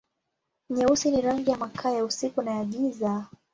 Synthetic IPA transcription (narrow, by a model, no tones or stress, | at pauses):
ɲɛusiniɾaŋɡijamakʰaːjausikunajaɠiza